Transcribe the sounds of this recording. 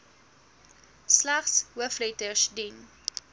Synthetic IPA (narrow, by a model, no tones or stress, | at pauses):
slaχsɦuəflɛtəʃdin